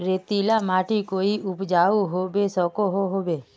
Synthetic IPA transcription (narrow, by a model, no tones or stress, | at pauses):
ɾet̪ilamaːʈʰikoːiʊpd͡ʒaːuɦobesɔkoɦoɦoːbeː